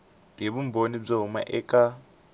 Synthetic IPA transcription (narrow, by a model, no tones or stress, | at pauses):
ɦeβum̩bonib͡ʐaɦuma̰ʔɛkʼa